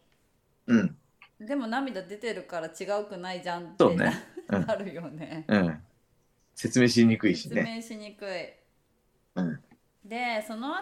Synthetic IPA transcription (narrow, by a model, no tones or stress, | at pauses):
ɯ̟̃ɴ | d̪e̞mo̞namʲid̪ad̪e̞t̪e̞ɾɯ̟kaɾat͡ɕiɡaɯ̟kɯ̟naid͡ʑãnt̪oːnḛɯ̃aɾɯ̟jo̞neɯ̃ɴ | se̞t͡sɨme̞ːɕ̬iɲikɯiɕinemeɕiɲikɯ̟i | ɯ̟̃ɴ | d̪e̞so̞no̞a